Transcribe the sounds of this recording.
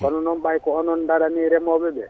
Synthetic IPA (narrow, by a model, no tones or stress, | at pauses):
kɔnɔnɔmbajkɔɔnɔndaɾaniɾɛmɔbɛbɛ